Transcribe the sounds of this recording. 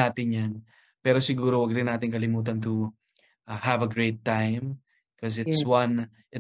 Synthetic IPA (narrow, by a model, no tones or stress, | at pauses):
aːt̪ɪnjan | pɛːɾosɪɡuːɾowɐɡ̚ɾɪnːaːt̪ɪŋkɐlɪmuːt̪̬ɐnt̪u | ʔhavɐɡɹeɪt̪ːãjm | kʰɔsɪtswɐ̃n | ʔɪ